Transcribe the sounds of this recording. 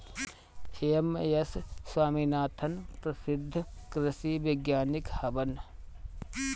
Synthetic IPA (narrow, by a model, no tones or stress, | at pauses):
hejɐmːɐ̰jɐsswaːminaːt̪ʰːɐnpɾɐsɪd̪ʱːɐkɾɐsiːbɪɡjaːnɪkhɐbɐn